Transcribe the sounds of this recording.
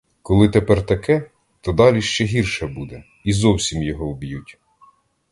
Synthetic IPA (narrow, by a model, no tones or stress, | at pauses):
kɔlˠɪt̪epɛrt̪ɐkɛ | t̪ɔd̪ɑlʲiʃt͡ʃɛɦirʃɛbud̪ɛ | izɔwsʲimjɔɦɔɔbjutʲ